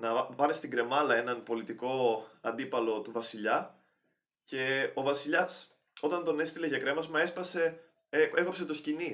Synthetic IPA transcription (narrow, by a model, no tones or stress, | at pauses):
nɐpɐnest̪iŋɡɾe̞mɐlɐe̞nɐnpo̞lit̪iko̞ɐnd̪ipɐlo̞t̪uvɐsiʎɐ | ce̞o̞vɐsiʎɐs | o̞t̪ɐnt̪o̞ne̞st̪ile̞ʝɐkɾe̞mɐzmɐe̞spɐse̞ | eeɣopset̪oscini